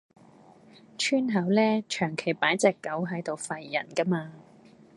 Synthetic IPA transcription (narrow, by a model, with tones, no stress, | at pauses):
t͡ʃʰyː˥nɦɐ˨˥wlɛː˥t͡ʃʰœː˨˩ŋkʰe˨˩jpaː˨˥jt͡sɛː˨˩kːɐ˨˥wɦɐ˨˥jt̪o˨wfɐ˨jːɐ̰˨˩nkɐ˥maː˧